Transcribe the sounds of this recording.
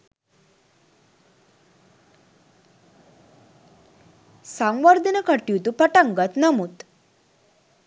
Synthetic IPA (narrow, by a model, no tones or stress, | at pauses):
saŋʋəɾd̪ənəkəʈijut̪upəʈaŋɡət̪nɐmut̪